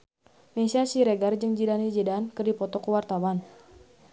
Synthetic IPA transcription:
mesiasiɾɛɡard͡ʒɨŋd͡ʒidanid͡ʒidankərdipɔt̪ɔkəwart̪awan

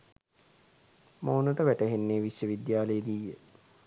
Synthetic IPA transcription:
maunəʈəʋæʈəɦenːeːʋisjəʋid̪jaːləjəd̪ijːə

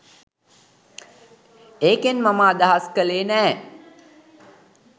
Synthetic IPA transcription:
eːkenmamaːd̪aɦaskəleːnɛː

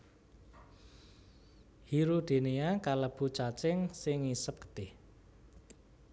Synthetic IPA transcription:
hiɾud̪̥e̤niakaləb̥ṳt͡ʃat͡ʃɪŋsɪŋːisəp̚kə̥d̪̥ɪh

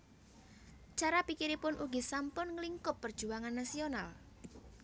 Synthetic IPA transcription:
t͡ʃaɾapikiɾipʊnʔuɡisampʊnŋəliŋkʊpːərd̥ʒ̥ṳaŋanːasional

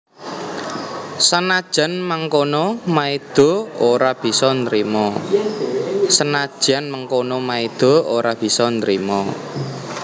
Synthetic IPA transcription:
sənad̥ʒ̥a̤nmaŋkonɔmaid̪̥o̤oɾab̥i̤sɔnt̪ɾimɔ | sənad̥ʒ̥a̤nmaŋkonɔmaid̪̥o̤oɾab̥i̤sɔnt̪ɾimɔ

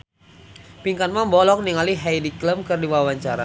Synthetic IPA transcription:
piŋkanmambɔlɔk̚niŋaliɦajdikləmkɨrdiwawaɲt͡ʃaɾa̰

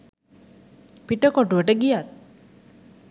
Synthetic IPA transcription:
piʈəkoʈuʋəʈəɡijat̪̚

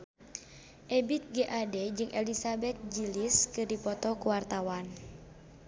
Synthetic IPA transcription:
ʔɛbit̪̚ɡeʔadɛd͡ʒɨŋʔɛlisabɛt̪̚d͡ʒiliskɨdipɔt̪ɔkuwart̪awan

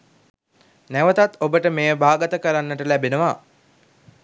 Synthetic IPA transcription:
næʋət̪at̪obəʈəmeːəbʱaːɡət̪əkəɾanːəʈəlæbenəʋa

